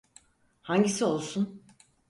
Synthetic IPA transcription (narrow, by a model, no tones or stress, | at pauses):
haɲɟisio̞lˠsun